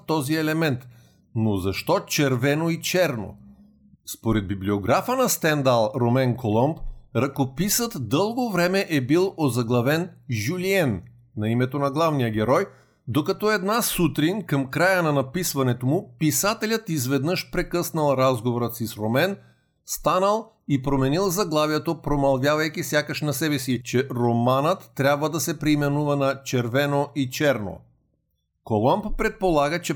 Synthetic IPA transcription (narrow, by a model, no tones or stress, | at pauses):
t̪ɔziɛlɛmɛnt̪ | nozɐʃt̪ɔt͡ʃɛɾvɛnoit͡ʃɛɾno̰ | spoɾɛd̪̚biblioɡɾafənɐst̪ɛnd̪alˠɾomɛnkolˠɔmbɾɐkopisət̪d̪ɤlˠɡovɾɛmɛʔɛbilˠozɐɡlˠɐvɛnʒuliɛnː | ɐimɛt̪onɐɡlˠavnijəɡʲɛɾɔj | d̪okɐt̪ɔɛd̪nasut̪ɾinʲkəmkɾajənɐnɐpisvɐnɛt̪omupisat̪ɛlʲat̪izvɛd̪nəʃpɾɛkɤsnɐlˠɾazɡovoɾət̪sisɾomɛn | st̪anɐlˠ | ipɾomɛnilˠzaɡlˠavjat̪opɾomalˠvʲjavajkʲisʲjakaʃnasɛbɛsit͡ʃɛɾomanət̪ːɾʲabvad̪asɛpɾiːmɛnuvanat͡ʃɛɾvɛnoʔit͡ʃɛɾno̰ | kolˠamppɾɛt̪̚polˠaɡɐt͡ʃɛ